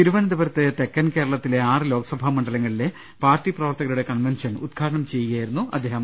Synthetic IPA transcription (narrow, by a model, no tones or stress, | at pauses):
iɾuʋɐnɐd̪ɐbɐɾɐt̪ːet̪ekːɐnkeːɾɐɭɐt̪ːile̞aːrɨlo̞ːɡɐsɐbʱamɐɳɖɐlɐŋːɐɭile̞ | paːrʈːiprɐʋɐrt̪ɐɣɐluɽe̞kɐnʋenʂɐnud̪ɡʰʱaːɾɐɳɐmt͡ɕe̞juɣjaːjiɾunːuɐ̰d̪ʱːe̞ːɦɐm